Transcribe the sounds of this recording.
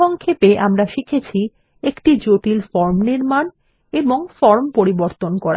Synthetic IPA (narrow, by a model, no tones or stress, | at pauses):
ɔŋkʰepeʔamɾaʃikʰet͡ɕʰi | ekʈid͡ʑoʈilfɔɾmniɾman | eboŋfɔɾmpoɾiboɾt̪onkɔɾa